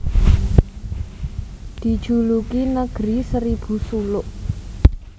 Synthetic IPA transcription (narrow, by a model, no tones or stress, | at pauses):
d̪̥i̤d̥ʒ̥ṳlukinəɡ̥ɾisəɾib̥ṳsulʊʔ